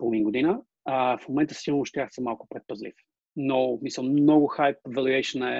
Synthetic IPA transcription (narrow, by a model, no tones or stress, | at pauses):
polˠvinɡod̪inə | əfmomɛ̃nt̪ə̥siɡolˠnʊʃt̪jaxsɛmalˠkʊ̥pɾɛt̪̚pɐzlḭf | nomisəlˠmnɔɡʊxajpvɛlʲˠiɛjʃənɛ